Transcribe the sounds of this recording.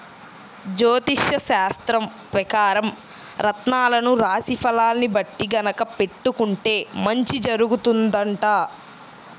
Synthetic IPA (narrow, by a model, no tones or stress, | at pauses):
d͡ʒoːt̪iʂjɐʃaːst̪ɾɐm | pɾɐkaːɾɐm | ɾɐt̪naːlɐnuɾaːsipʰɐlaːlnibɐʈːiɡɐnɐkɐpe̞ʈːukuɳʈe̞ːmɐɲt͡ʃid͡ʒɐɾuɡut̪und̪ɐɳʈaː